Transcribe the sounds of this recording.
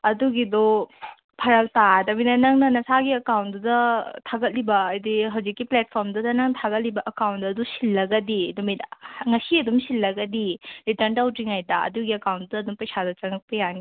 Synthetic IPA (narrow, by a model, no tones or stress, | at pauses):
ɐduɡidɔ | pʰaɾɐltadɐbinɐnɐŋnɐnɐsaɡiɐkawn̚dudɐtʰaɡɐt̚libɐːjdiɦɐwzikːiplet̚pʰɔɾmdɐdɐnɐŋtʰaɡɐt̚libɐʔɐkawndɐːdusilːɐɡɐdidɔmitŋɐsiɐdumsilːɐɡɐdiɾitɐɾndawtɾiŋajdɐɐ̰duɡiɐkawndudɐːdumpɐjsadɐt͡ʃɐŋɐk̚pɐjani